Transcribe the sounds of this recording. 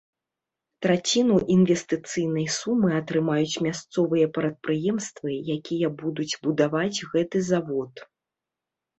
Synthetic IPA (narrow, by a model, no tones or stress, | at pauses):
t̪ɾat͡sʲinuʔinvʲɛst̪ɨt̪sɨjn̪ɐjsumːɨɐt̪ɾɨmajut͡sʲmʲast̪sɔvɨjɐpɾɐt̪̚pɾɨjɛmst̪vɨjakʲijɐbud̪ud͡zʲbud̪avad͡zʲɣɛt̪ɨzavɔt̪